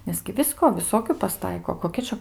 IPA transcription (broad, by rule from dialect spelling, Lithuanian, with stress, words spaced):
nʲɛs ɡʲɪ ˈʋʲɪskoː ʋʲɪˈsoːkʲʊ pɐˈstɐɪkoː koːˈkʲɛ t͡ʃʲɛ